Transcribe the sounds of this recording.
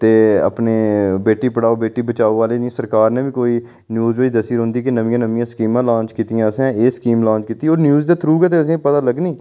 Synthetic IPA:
t̪eːə̰pneːbeːʈiːpəɽaːoːbeːʈiːbət͡ʃaːoːʋaːleːd͡ʒĩsəɾkaːɾneːbikoːiː | njuːzʋəid̪əsiːɾɦʊ̃nd̪iːkenəʋɪ̃ãːnəʋɪ̃jãːskiːmãːlãːɲt͡ʃkiːt̪ɪjãːəsɛ̃ːeːskiːmlãːɲt͡ʃkiːt̪iːoːɾnjuːzd̪aːt̪ʰɾuːɡɛːt̪̬eəs̬ĩːpət̪aːləɡniː

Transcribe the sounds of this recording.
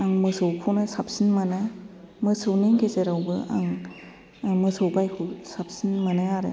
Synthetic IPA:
aŋmɯsɯwkʰunɯsap̚sinmanamɯsɯwniŋɡezeɾawbɯʔa̰ŋ | mɯsɯwbajkʰɯwsap̚sinmɐnajaɾḛ

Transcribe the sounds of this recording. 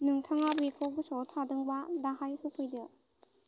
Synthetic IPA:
nɯŋtʰaŋabikʰɔɡɯsɔtʰadɯŋbadaɦajhɯkʰɯjdɯ

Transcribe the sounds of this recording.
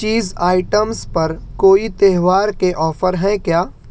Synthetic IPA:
t͡ʃiːzaːɪʈəmspɐɾkoːit̪eːɦʋaːɾkeʔɔːfəɾɦɛ̃kjaː

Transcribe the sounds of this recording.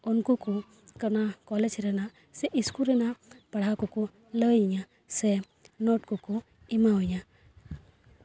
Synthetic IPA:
ɔnkuku | kənakɔlɛd͡ʒɾɛna | sɛʔiskuɾɛnapaɽ̤akɔku | ləɲa | sɛ | nɔʈkɔku | imaɦuɲa

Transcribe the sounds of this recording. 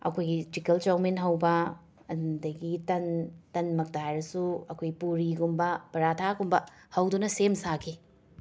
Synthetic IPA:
ɐ̰kʰojɡitikɐlt͡ʃawmenɦɐwbɐ | ɐdɐɡitɐntɐnmɐk̚taɦajɾɐsuɐkʰojɡipuɾiɡumbɐpɐɾatʰaɡumbɐhɐwdunɐsemsakʰi

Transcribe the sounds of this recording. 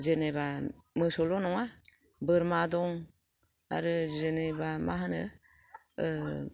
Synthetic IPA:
zeneβamɯsɔlɔnɔŋa | bɯɾmadɔŋ | a̰ɾɯzenebamaɦanɯ̰

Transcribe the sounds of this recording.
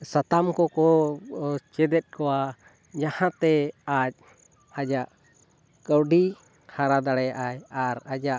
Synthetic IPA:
sat̪amkɔkɔ | t͡ʃɛd̪ɛt̪̚kɔwa | d͡ʒahãt̪ɛac̚ | ad͡ʒaʔ | kəwɖi | haɾad̪aɽɛjaʔajaɾad͡ʒaʔ

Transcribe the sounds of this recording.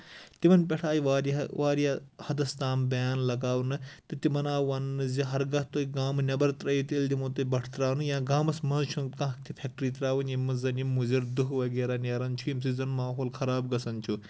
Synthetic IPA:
t̪imɐnpʲeʈʰaːjʋaɾʋaːɾjahɐd̪ɐst̪aːmbɐjaːnlɐɡaːwnɨt̪ɨt̪imɐnaːwanːɨziɦɐɾɡɐɦt̪oiɡaːmɨnʲɐbɐɾt̪ɾɐjit̪eld̪imoːt̪ɨbɐʈʰt̪ɾaːwnɨjãːɡaːmɐsmɐnzt͡ʃʰunkãɦkt̪ʰipʰʲek̚ʈɾit̪ɾaːwunimːɐzɐnimːuziɾd̪uɦʋɐɡeːɾaneːɾɐnt͡ʃʰujimsizɐnmaːɦoːlkʰɐɾaːbɡɐsɐnt͡ʃʰu

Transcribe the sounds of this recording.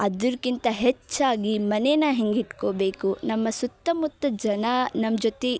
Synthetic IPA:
ɐd̪uɾkint̪ɐɦet͡ʃːaːɡimɐnejnɐɦeŋɡiʈkoːbe̞ːkunɐmːɐsut̪ːɐmut̪ːɐd͡ʒɐnɐnɐmd͡ʒot̪e

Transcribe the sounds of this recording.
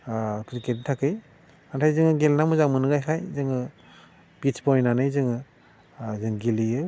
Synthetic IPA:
kʰɯɾikeditʰakɯjʰ | antʰajzɯŋɯɡelnamuzamɯnɯɡajkʰajzɯŋɯ | b̥it͡ʃbɔjnanɯjzɯŋɯ | zɯŋɡilijɯ

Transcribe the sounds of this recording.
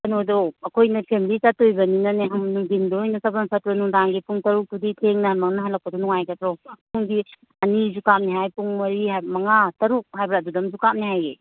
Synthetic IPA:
ɐnodɔɐkʰojnɐpʰemilitatojbɐninɐneɦɐmnuŋdindɔojnɐsɐbɐnpʰɐt̚ɾɐnuŋdaŋɡipʰuŋtɐɾuk̚tuditʰeŋnɐhɐnmɐŋnɐɦɐlːɐk̚pɐdɔnuŋajɡɐtɾɔsak̚pʰuŋɡi | ɐnizukam̚niɦajpuŋmɐɾihamɐŋatɐɾuk̚hajbɾadudɐmzukam̚niɦajḛ

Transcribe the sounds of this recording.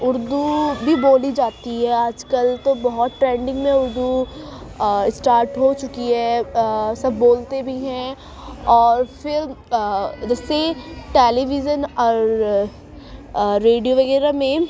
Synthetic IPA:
ʊɾd̪ubʱiboːlid͡ʒaːt̪iɦɛaːd͡ʒkɐlt̪obɔɦɔt̪̚ʈɾɛ̃ːɳɖɪ̃ŋɡmẽʊɾd̪u | ɪsʈaːɾʈɦot͡ʃʊkiɦɛ | sɐbʱːoːlt̪ebʱiɦɛ̃ | ɔːɾfɪɾ | d͡ʒɛːseʈeːliʋɪd͡ʒənɔːɾ | eːɖijoʋɐɣɛːɾamẽ

